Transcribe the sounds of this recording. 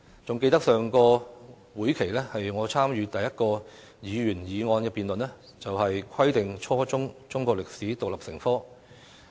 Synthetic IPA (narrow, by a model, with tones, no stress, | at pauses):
t͡sʊ˨ŋke˧jt̪ɐ˥k̚sœː˨ŋkɔː˧ | wuː˨˥jkʰe˨˩jlɛː˥hɐ˨jŋɔː˨˧t͡sʰaː˥mjyː˨˧t̪ɐ˨jːɐ˥t̚kɔː˧ | jiː˨˧ɥyː˨˩njiː˨˧ŋɔː˧nkɛː˧piː˨nlɵ˨nɛː˥ | t͡sɐ˨whɐ˨jkʰɐ˥jt̪ɪ˨ŋt͡ʃʰɔː˥t͡sʊ˥ŋt͡sʊ˥ŋkʷwɔː˧k̚lɪ˨k̚siː˨˥t̪ʊ˨k̚lɐ˨p̚sɪ̰˨˩ŋfɔː˥